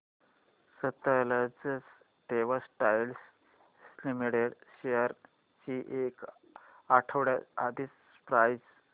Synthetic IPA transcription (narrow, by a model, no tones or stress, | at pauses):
sət̪ːalad͡zəs | ʈeʋasʈajls | slimiɽeɽɕejəɾ | t͡ɕiːʔek | aʈʰəʋɽjaad̪iːt͡s | pɾajd͡z